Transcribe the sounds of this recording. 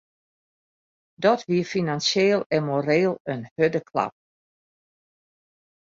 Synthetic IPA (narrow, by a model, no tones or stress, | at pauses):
dɔtʋiəfinansjeːlˠɛmoreːlˠənhødəkʰla̰p̚